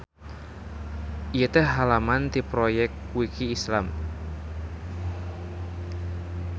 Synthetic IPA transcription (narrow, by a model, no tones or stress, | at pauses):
ʔijet̪ɛhɦalamant̪ipɾojɛk̚ | wikiːslam